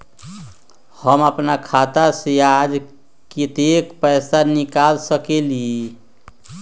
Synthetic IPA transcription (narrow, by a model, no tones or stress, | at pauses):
həməpnakʰat̪asjad͡ʒ | kit̪ekpəjsanikalsəkelie